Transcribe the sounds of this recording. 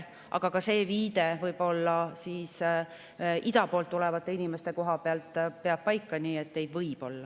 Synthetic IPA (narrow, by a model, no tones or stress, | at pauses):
ʔɑ̰ɡ̥ɑkɑse̞ːviːd̪̥e̞vɤjb̥o̞lːɑsiːs | id̪ɑpo̞ːlt̪ːulevɑt̪ˑːe̞inime̞st̪e̞ko̞ɦɑpeɑlt̪ˑpe̞ɑb̥̚pɑjkːɑniːet̪ne̞jd̪̥vɤjb̥o̞lːɑ